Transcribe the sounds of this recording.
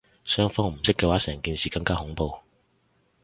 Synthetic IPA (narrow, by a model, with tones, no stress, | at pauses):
sœː˥ŋfɔː˥ŋm̩˨˩sɪ˥kːɛː˧waː˨˥sɛː˨˩ŋkiː˧nsiː˨kɐ˧ŋkaː˥hʊ˨˥ŋpo˧w